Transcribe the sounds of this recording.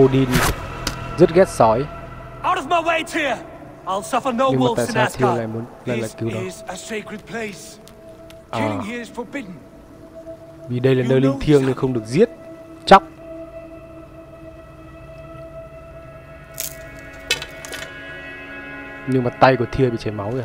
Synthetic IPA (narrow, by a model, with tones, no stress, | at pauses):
o˧ɗi˧n | zə˦˥t̚ɣɛ˦˥t̚sɔ˨˦j | aʊɾəvmaɪweɪtʰiə | aɪlˠsʌfənoʊɲɨ˧ŋwaː˨a̰ː˧˨saː˧t̪ʰi˧˩əla̰ː˧˨jmu˨˦ənla̰ː˧˨jla̰ː˨jki˨˦wnɔ˨zəseɪkɹɨd̚pʰl̥eɪs | ʔaː˨˩jiz̥fəbɪdⁿn̩ | vi˨˩ɗə˧jlaː˨˩nəː˧jli˧ŋt̪ʰi˧əŋnɨ˧nxə˧wŋ͡mɗɨ˨˩ək̚zi˦˥ət̚ | t͡ɕa˦˥wk͡p̚ | ɲɨ˧ŋmaː˨˩t̪a˧jku˧˩ət̪ʰi˧əɓḭ˧˨t͡ɕa˨˩jma˨˦wə˧˩